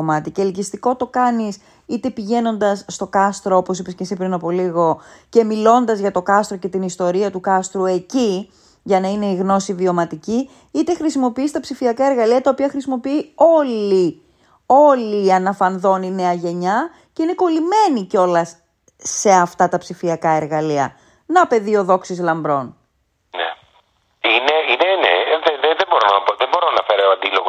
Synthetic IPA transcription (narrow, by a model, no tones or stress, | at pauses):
omɐt̪icelicist̪iko̞t̪o̞kɐnis | it̪e̞piʝe̞no̞nd̪ɐsːt̪o̞kɐst̪ɾooposipesce̞sipɾinɐpo̞liɣo̞ce̞milo̞nd̪ɐzʝɐt̪o̞kɐst̪ɾo̞ce̞t̪inist̪o̞ɾiɐt̪ukɐst̪ɾue̞ci | ʝɐnɐine̞iɣno̞sivio̞mɐt̪ici | it̪e̞xɾisimo̞piist̪ɐpsifiɐkɐeɾɣɐliɐt̪ɐopiɐxɾisimo̞piio̞li | o̞liɐnɐfɐnðo̞nine̞ɐʝe̞ɲɐ | ceine̞ko̞lime̞nico̞lɐs | e̞ɐft̪ɐt̪ɐpsifiɐkɐe̞ɾɣɐliɐ̰ | nɐpe̞ðio̞ðo̞ksizlɐmbɾo̞n | nḛ | ineinenḛðeðeðebo̞ɾonɐɐpoðebo̞ɾoɐnɐfeɾɐeoɐnd̪iloɣo